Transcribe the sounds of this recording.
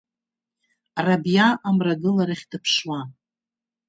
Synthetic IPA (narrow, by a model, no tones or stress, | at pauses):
rabjaʔamraɡɨlaɾaχʲdɨpʰʂwa